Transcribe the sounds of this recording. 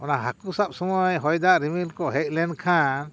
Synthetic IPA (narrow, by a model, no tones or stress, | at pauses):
ɔnaɦakusap̚sɔmɔjɦɔjd̪aʔɾimilkɔʔɦɛc̚lɛnkʰãn